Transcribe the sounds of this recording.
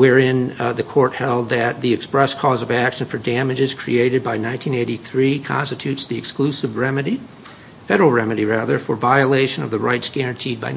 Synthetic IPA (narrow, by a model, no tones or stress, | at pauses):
wɛɹɪ̃nðɨkʰɔɹt̚hɛlˠd̪̚ðɨt̪̚ðiɨkspɹɛskʰɔzʌvækʃɨ̃nfə˞dæmɨd͡ʒɨz̥kʰɹ̥ḭeɪɾɨd̚baɪnãɪ̃ntʰĩneɪɾiθɹikʰɑ̰̃nstɨtʰʉtsðiɨksklusɨvɹɛmɨɾi | fɛɾə˞l̩ˠɹɛmɨɾiɹæðə˞fə˞vaɪɨleɪʃɨ̃nʌ̰vðɨɹa̰ɪtsɡ̥ɛɹɨ̃ntʰid̚baɪ